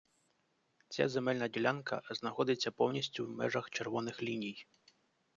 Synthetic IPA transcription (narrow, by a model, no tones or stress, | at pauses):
t͡sʲa̰zemɛlʲnɐdʲilʲankɐ̰znɐxɔd̪ɪt͡sʲːɐpɔwnʲisʲtʲʊwmɛ̰ʒɐxt͡ʃerʋɔnɪxlʲinʲij